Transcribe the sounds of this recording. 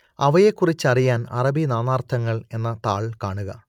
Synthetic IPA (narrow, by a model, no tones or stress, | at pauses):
ɐʋɐje̞kːurit͡ɕːɨɐrijaːnɐ̰rɐbinaːnaːrt̪ʰɐŋːɐɭe̞nːɐt̪aːɭkaːɳuɣɐ